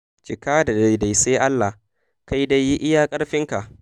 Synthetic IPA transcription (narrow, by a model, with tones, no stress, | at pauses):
t͡ʃɪ˨kaː˦da˨da˨jda˨jseː˦ʔa˦lːa˨h | ka˦jda˦jːi˦ʔɪ˦jaː˦kʼɐ˦ɽɸɪ˦ŋka˨ʔ